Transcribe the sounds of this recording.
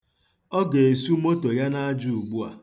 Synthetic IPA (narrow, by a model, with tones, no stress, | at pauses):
ɔ˦ɡe˨e˨su˦mo˦to˨ja˦na˦a˦d͡ʒu˦˨u˨ɡ͡bu˦a̰˨